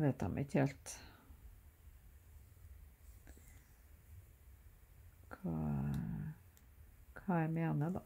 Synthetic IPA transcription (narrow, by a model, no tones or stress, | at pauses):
ʋeɪt̪ɑ̰mʔɪ̰çheːlt̪ | kʰɑː | kʰɑːæɪmeːnəd̪ɑ